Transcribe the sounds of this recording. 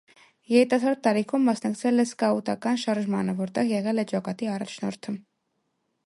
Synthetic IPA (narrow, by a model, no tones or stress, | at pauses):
jɛɾit̪ɑsɑɾt̪ːɑɾikʰumːɑsnɑkt͡sʰɛlɛskɑut̪ɑkɑnʃɑɾʒmɑnəvɔɾt̪ɛʁjɛʁɛlɛt͡ʃɑkɑt̪iɑrɑt͡ʃʰnɔ̰ɾt̪ʰə